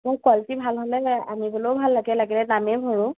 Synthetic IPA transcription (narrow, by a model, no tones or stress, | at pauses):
mʊkaltibʱalɦolɛa̰mibɔloʊbʱalːaɡɛlaɡɛlɛnamɛbʱɔɹʊ̃